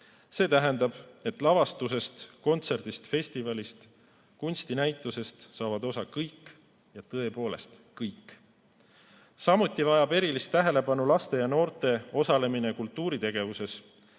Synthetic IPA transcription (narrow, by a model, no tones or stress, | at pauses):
se̞ːt̪æɦe̞nd̪ɑb̥e̞t̪ːˑlɑvɑst̪use̞st̪ko̞nt̪se̞rd̪̥ist̪fe̞sʲt̪ivɑlist̪ | kunʲsʲt̪inæjt̪ˑːuse̞st̪sɑːvɑd̪o̞sɑkɤjkːˑ | jɑt̪ɤe̞po̞ːle̞̰st̪ | kɤjkːˑ | sɑmut̪ʲːˑivɑjɑbe̞ɾilist̪ːæɦe̞le̞pɑnulɑst̪e̞jɑno̞ːrt̪e̞o̞sɑle̞mine̞kult̪ːˑuːɾit̪e̞ɡ̥e̞vuse̞s